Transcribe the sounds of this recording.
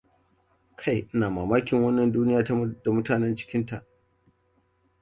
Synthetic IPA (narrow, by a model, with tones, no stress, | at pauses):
kʰa˦˨jʔɪ˦naː˨maː˨maː˦kʲɪ˨ŋwɐ˦nːɐ˨nduː˦nɪ˦jaː˨ta˦m˦da˨mʊ˦taː˨nɛ˦nt͡ʃɪ̥˦kʲɪ˦nta˨ʔ